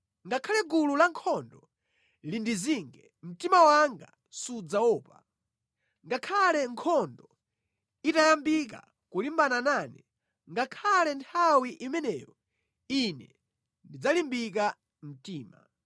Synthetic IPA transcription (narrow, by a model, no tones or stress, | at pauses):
ŋɡakʰalɛɡululaŋkʰɔndɔ | lindiziŋɡɛ | m̩timawaŋɡa | sud͡zawɔːpa | ŋɡakʰalɛŋkʰɔndɔ | itajambik̬a̰ | kulimbanananɛ | ŋɡakʰalɛntʰawiʔimɛnɛːjɔ | inɛ̰ | ndid͡zalimbik̬a | m̩tiːma